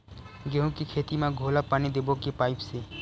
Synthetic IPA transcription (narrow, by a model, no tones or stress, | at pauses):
ɡeɦũkikʰeːt̪imãɡʱolapaːnid̪ebokepaːɪpse